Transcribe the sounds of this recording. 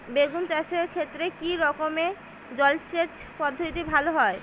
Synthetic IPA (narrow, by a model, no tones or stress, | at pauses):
beɡunt͡ɕaʃeɾkʰet̪ːɾekiɾɔkome | d͡ʑɔlʃet͡ɕpɔd̪ʱːot̪ibʱaloɦɔe